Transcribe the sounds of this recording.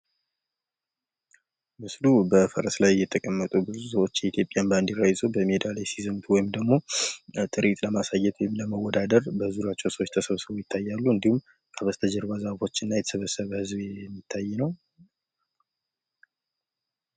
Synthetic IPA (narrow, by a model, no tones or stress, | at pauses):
mɨslubəfəɾəslajjːɛt̪ʰəkʼəmːət̪ʼubɨzusəwo̞t͡ʃːjɛit̪ʰjo̞pʼjanband̪ɪrajzobəmed̪alajsizəmt̪ʰuwɔjɪmd̪əɡmo̞t̪ʼɨɾʔit̪ləmasajːɛt̪wɔjɪmləməwɔd̪ad̪əɾbəzuɾat͡ʃːɛwsəwot͡ʃːt̪ʰəsəβsɨβojɪt̪ʰːajːalːuɨnd̪ihum | kʰʼaβəst̪ʰəd͡ʒəɾβazəβfo̞t͡ʃːɨnːajɛt̪ʰə̥sɨβəsəβhɨzbjɛɛmːit̪ʰːajːɛnəw